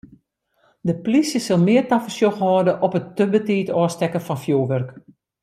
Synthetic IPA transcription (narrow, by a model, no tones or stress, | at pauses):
dəplisjəsəlˠmɪərtafəsjoxhɔːdəʔɔpətːəbətiːtɔːstɛkəfɔnfjoːʋørk